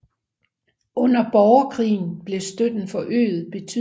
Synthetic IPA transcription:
ɔ̽n̰ɐb̥ɒʊɐkʰʁḭːn̩b̥le̝sd̥ød̥n̩fɒ̽ʔø̰ːð̩ˠb̥e̝t͡sʰy

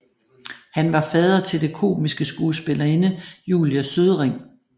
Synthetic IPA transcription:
hænʋɑ̈fɛðˠɐt͡sʰe̝ld̥e̝kʰo̝̰ːmisɡ̥əsɡ̥uːsb̥e̝lɐe̝nəjuːljæsøðˠʁeŋ̰

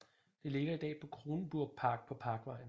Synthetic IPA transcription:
d̥e̝le̝ɡ̥ɐid̥ɛ̰ːpʰɒ̽kʰʁo̝ːnəb̥uɐ̰ɡ̥̚pʰɑ̈ːɡ̥̚pʰɒ̽pʰɑ̈ːɡ̥ʋɑ̈ɪ̰n̩

